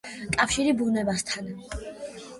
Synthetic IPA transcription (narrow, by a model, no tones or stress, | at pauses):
kʼafʃiɾibunɛbast̪ʰan